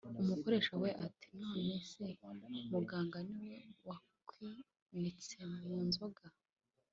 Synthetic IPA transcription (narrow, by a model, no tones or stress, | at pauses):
umuko̞ɾe̞ːʃaweʔati̥nawesemuɡaːŋɡaniwewa | kwi | ndit͡semuːnzo̞ɡa